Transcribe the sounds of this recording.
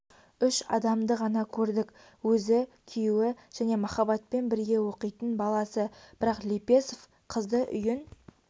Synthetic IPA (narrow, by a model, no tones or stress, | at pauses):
ʏʃɑ̰d̪ɑmd̪əʁɑnɑkʲʰɵɾd̪ɪk | wɵzɪ | kʲʰijuwɪ | ʒ̥æne̞mɑχɑbɑt̪̚pe̞nbɪɾɡʲe̞wo̞qijt̪ənbɑlˠɑsəb̥ɪɾɑqlʲipe̞sof | qʰəzd̪əʔʏ̰jɪn